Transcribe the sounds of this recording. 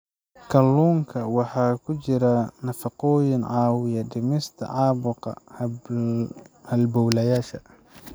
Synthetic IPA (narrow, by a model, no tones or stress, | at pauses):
kʰɐlːuːŋkʰɐwɑħɑːkʰʊt͡ʃɪɾɐnɐfɑqɔːjɪnʕɑːwɪjɐɖɪmɪst̪ʰɐ̰ʕɑːbʊqɑ̰ | hɐlbɔwlɐjaːʃɐ